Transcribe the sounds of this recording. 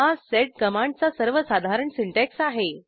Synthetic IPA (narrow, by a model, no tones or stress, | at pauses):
aseʈ̚kəmãɳɖ̚t͡sasəɾʋəsad̪ʱaɾəɳsiɳʈɛksaɦe